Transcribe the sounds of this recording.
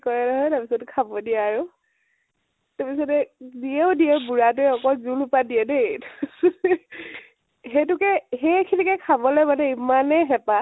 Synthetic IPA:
kɔɹɛnɔɦɔjtaɹpisɔtkʰabɔdiɛːɹʊ | tapisɔtɛziɛʊdiɛbuɹatʊɛɔkɔzulupadiɛnet | ɦet̬ʊkɛɦekʰinikɛkʰabɔlɛmanɛimanɛɦɛpa

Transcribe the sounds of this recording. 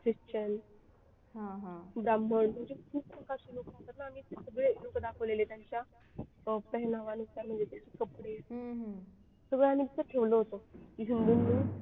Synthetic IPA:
kɾiɕt͡ɕən | ɦãɦãbɾambəɳməɳd͡ʑekʰuːp̚pʰəŋkaɾɕilokaɦt̪əɾnaːmiːsəɡɭelokəd̪akʰəʋlelet̪jaɲt͡ɕja | pəɦnaʋanut̪jam̤əd̪ʱjet̪jat͡ɕʰikəpɽeɦɦ | səɡɭeamiːb̪it̪əɾʈʰeʋloɦot̪oɦund̪unːu

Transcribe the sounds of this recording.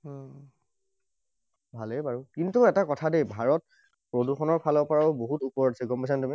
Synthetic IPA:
bʱalebaɹukintuɛtakɔtʰadebʱaɹɔt̚ | pɹoduxɔnɔɹpʰalɔpɔɹaboɦutupɔɹasɛɡɔmbasantumi

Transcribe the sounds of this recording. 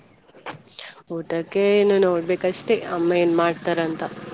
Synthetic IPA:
uːʈɐkːeinːunoːɽɖbeːkɐʃʈeɐmːɐjenmaːɖt̪ɐɾɐnt̪ɐ

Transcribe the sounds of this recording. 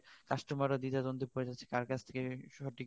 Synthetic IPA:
kaʃʈomaɾad̪id̪ad̪ond̪ʱipoɾed͡ʑat̪ːɕʰe̥kaɾkat͡ɕʰt̪ʰe̥keʃɔʈik

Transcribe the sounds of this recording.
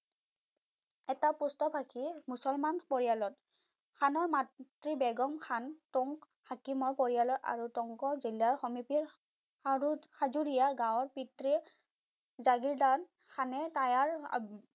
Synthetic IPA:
ɛtapustɔpʰakʰimusɔlmanpɔɹijalɔt | kʰanɔɹmattɹibɛɡɔmkʰantɔŋk | hakimɔɹpɔɹijalɔta̰ɹutɔŋkɔzilːaɹxɔmipiɹ | aɹuxazuɹijaɡãwɔɹpitɹi | zaɡiɹdan | xʰanɛtajaɹ̰

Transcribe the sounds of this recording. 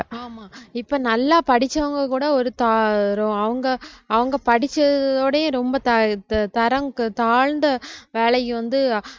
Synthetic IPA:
aːmaːɪpːoːnɐlːaːpɐɽɪt͡ʃːɐʋɐŋɡɐkuːɽɐɔɾɯt̪aːɾoɐʋɐŋɡɐːʋɐŋɡɐpɐɽɪt͡ʃːɐðoːɽɐjʊ̃ɾɔmbɐt̪ɐt̪ɐɾɐŋt̪aːɻnd̪ɐʋeːɭɐjːɯʋɐnd̪ɯ

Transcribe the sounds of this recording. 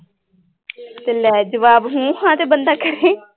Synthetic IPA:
t̪eːlɛːd͡ʒəʋaːbɦũːhãːt̪eːbənd̪aːkəɾẽː

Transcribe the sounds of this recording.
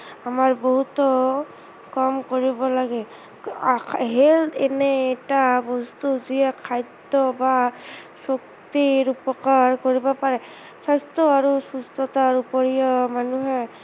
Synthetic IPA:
amaɹboɦut̪ɔ | kɔmkoɹibɔlaɡɛ | ɦelɛnɛɛtabɔst̪uziɛkʰajd̪ɔba | sok | t̪iɹupɔkaɹkoɹibɔpaɹɛ | sastɔaɹusustɔtaɹupɔɹijɔmanuɦɛ

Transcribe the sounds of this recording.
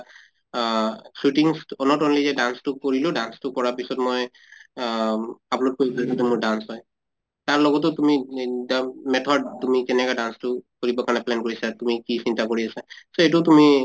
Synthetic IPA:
sutiŋsɔnɔtɔnlizɛdanstʊkoɹilʊdanstʊkɔɹapisɔtmɔj | aplot̚koibɔɔdɛmʊɹdansɦɔj | taɹlɔɡɔt̬ʊtumidamɛtʰɔdtumikɛnɛkadanstʊkoɹibɔkaɹnɛplɛnkoɹisatumikisintakoɹiasasoetʊtumi

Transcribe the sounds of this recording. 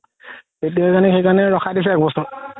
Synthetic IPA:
etijakanɛxejkanɛɹɔxʰadis̬ɛɛk̚bɔsɔɹ

